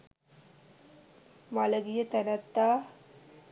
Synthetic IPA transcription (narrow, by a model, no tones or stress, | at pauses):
maləɡijət̪ænət̪ːaː